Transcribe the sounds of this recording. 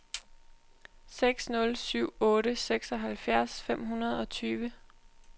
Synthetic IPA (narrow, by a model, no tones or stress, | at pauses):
seɡ̥snɔ̽lsyʊ̰ɔ̽ːɾəseɡ̥sɒ̽ɦælfjæɐsfem̰ɦunɐð̞ˠɒ̽t͡sʰyːʋə